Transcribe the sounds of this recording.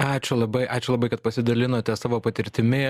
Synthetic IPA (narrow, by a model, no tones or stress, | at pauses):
ɑːt͡ʃʲʊlˠɐbɐɪʔɑːt͡ʃʲʊlˠɐbɐɪkɐt̪̚pɐsʲɪd̪ɐlʲɪnoːt̪ʲɛsɑːʋoːpɐt̪ʲɪɾʲt̪ʲɪmʲɪ